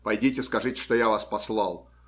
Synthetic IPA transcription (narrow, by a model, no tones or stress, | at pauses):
pɐjdʲitʲɪskɐʐɨtʲɪ̥ʂt̪ojavaspɐslˠɑlˠ